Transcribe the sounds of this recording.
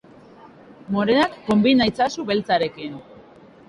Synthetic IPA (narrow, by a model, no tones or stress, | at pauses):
mo̞ɾenakːo̞mbinajt͡sasuβe̞lt͡saɾe̞kin